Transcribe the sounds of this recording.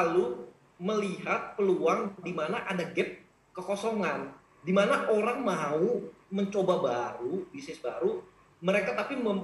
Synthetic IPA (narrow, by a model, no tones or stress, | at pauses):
alu | məliɦat̪̚pəluaŋdimanaʔadaɡɛp̚ | kəkosoŋan | dimanaʔoɾaŋmauməɲt͡ʃobabaɾubisnɪsbaɾu | məɾekat̪apiməm